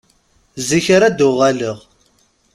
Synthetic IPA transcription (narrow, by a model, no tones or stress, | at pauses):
ziçɾad̪ʊʁæləʁ